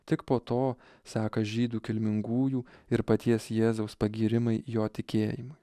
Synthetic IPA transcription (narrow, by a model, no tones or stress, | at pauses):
t̪ʲɪkpoːt̪oː | sɑːkɐʒʲiːd̪uːkʲɪlʲmʲɪŋɡuːjuːɪɾpɐt̪ʲiɛsjeːzɐʊspɐɡʲiːɾʲɪmɐɪjoːt̪ʲɪkʲeːjɪmʊɪ